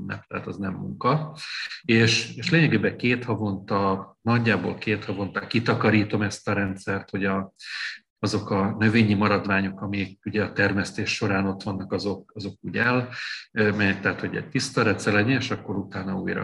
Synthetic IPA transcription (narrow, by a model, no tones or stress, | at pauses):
nːɛ̰p̚t̪ɛ̰ɦat̪ɒznɛmːuŋkɒ | eːʃeːʃleːɲɛɡeːbɛkeːt̪hɒvo̞nt̪ɒnɒɟːaːbo̰ːlkeːt̪hɒvo̞nt̪aːkit̪ɒkɒɾiːt̪o̞mɛst̪ɒɾɛnt̪sɛrt̪ho̞ɟɒ | ɒzo̞kɒnø̞veːɲimɒɾɒd̪vaːɲo̞kɒmikuɟɛɒt̪ɛrmɛst̪eːʃːo̞ɾaːno̞t̪ʋɒnːɒkɒzo̞k̚ɒzo̞kuːɟɛl | mɛjɛk̚t̪ɛɦat̪hoɟɛ̰c̚t̪ist̪ɒɾɛnt̪sɛlɛɟɛeːʃɒkːo̞ɾut̪aːnɒṵːjɾɒ̰